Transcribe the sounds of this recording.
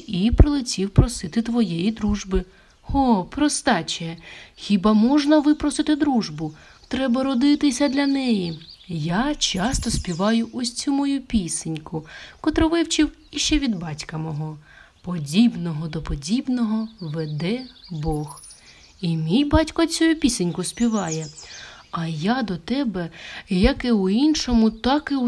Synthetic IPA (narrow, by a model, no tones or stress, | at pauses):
ipɾɪlˠɪtʲiwpɾɔsɪt̪ɪt̪ʋɔjɛjid̪ɾuʒbɪ | hɔpɾɔst̪ɑt͡ʃɛxʲibɑmɔʒnɐʋɪpɾɔsɪt̪ɪd̪ɾuʒbʊ | t̪ɾɛbɐɾɔd̪ɪt̪ɪsʲɐd̪lʲɐnɛjijat͡ʃɑst̪ɔspʲiʋɑjʊʔɔsʲt͡sʲumɔjupʲisɪnʲkʊkɔt̪ɾɔʋɪwt͡ʃɪw | iʃt͡ʃɛʋʲid̪bɑtʲkɐmɔɦɔ | pɔdʲibnɔɦɔd̪ɔpɔdʲibnɔɦɔʋed̪ɛbɔx | imʲijbɑtʲkɔt͡sʲujupʲisenʲkʊspʲiʋɑjɛ | ɐjad̪ɔt̪ɛbɛjɐkɪʊinʃɔmʊt̪ɑkɪ